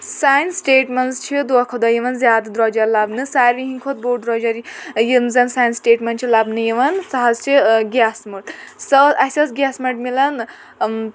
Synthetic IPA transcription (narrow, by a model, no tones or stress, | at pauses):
sajnsʈeːʈmenst͡ʃʰid̪uakʰod̪ɐjiʋɐnzʲjaːd̪d̪ɾɔd͡ʒɐɾlabnɨsaːɾʋiɦiŋkʰot̪̚boʈd̪ɾɔd͡ʒɐɾjimzɐnsaːjnsʈeːʈmenʈt͡ʃʰilabnɨjiʋɐnsaɦɐzt͡ʃʰiɡʲasmuʈ̪sɐɐsɐsɡjasmeɳʈmilɐn